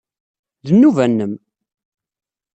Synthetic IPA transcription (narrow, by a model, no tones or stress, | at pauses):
ðənːuvænːəm